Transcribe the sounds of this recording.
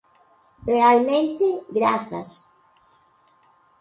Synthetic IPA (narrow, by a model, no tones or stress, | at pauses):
realmẽnt̪eɡɾa̰θɐ̰s